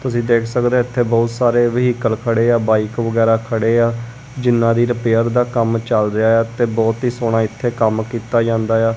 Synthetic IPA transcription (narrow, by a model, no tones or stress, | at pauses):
t̪ʊsĩːd̪eːkʰsəkd̪eːɪt̪ʰːeːbɔːt̪saːɾeːʋəɦiːkəlkʰəɽeːaːbaːikʋəɡɛːɾaːkʰəɽeːaː | d͡ʒɪnːãːd̪iːɾəpeːəɾd̪aːkəmt͡ʃəlɾɪaːaːt̪eːbɔːt̪ɦiːsoːɽ̃aːɪt̪ʰːeːkəmkiːt̪aːd͡ʒãːnd̪aːjaː